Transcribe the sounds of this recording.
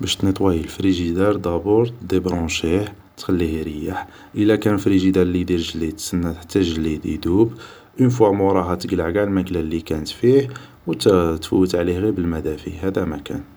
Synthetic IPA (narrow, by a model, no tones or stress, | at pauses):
bæʃt̪nət̪ˤwæjəlfɾiʒid̪ɑɾˤd̪ɑbuɾd̪ebɾɑ̃ʃiħ | t̪xælːihiɾəjːaħ | ʔəlːækænfɾiʒid̪æɾlid̪iɾʒəlːid̪sənːæt̪ħt̪ːæʒəlːid̪ḭd̪ub | ʔənfumuɾˤɑɦæt̪əɡəlʕɡælmæklælikænət̪fih | wt̪t̪fuwːət̪ʕlihɣibəlmæd̪æfiɦæd̪æmækæ̰n